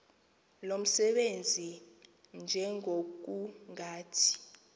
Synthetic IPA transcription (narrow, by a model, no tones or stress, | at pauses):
lom̩sɛɓend͡zʱi | nd͡ʒʱɛŋok̬uŋaːtʰi̥